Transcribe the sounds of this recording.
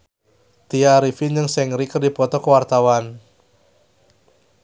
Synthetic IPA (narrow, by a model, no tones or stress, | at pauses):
t̪iaɾifind͡ʒəŋsɛŋɾikərdipɔt̪ɔkəwart̪awan